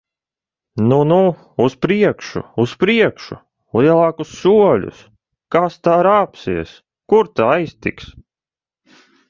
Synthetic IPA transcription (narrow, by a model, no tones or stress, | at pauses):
nunu | uspɾiɛkʃṵuspɾiɛkʃṵ | lˠiɛlˠɑːkusːuɔlʲṵs | kast̪aːɾaːpsiɛs | kuɾt̪aajst̪iks